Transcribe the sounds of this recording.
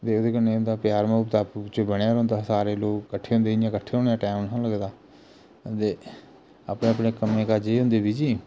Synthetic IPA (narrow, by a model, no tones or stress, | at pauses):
t̪eːod̪eːkənːeːɦʊ̃nd̪aːpjaːɾmẽʊpt̪aːpt͡ʃebəɽ̃aːɾõnd̪aːsaːɾeːloːkkːəʈʰːeːɦʊ̃nd̪eːjãːkəʈʰːeːɦõːnejãːʈɛːmãləɡd̪aː | t̪eː | aːpɳẽːəpɳeːkəmẽːkad͡ʒeːɦʊ̃nd̪eːd̪iːd͡ʒiː